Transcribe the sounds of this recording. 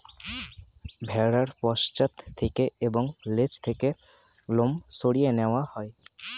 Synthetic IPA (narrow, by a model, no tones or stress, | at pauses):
bʱɛɽəɾpɔʃt͡ʃət̪ʰːekeebɔŋlet͡ʃt̪ʰeke | lomsoɽijenɛwahɔj